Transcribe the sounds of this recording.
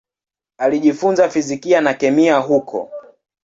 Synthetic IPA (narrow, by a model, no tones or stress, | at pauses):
aliʄifunzafizikianakɛmiaɦukʰɔ̰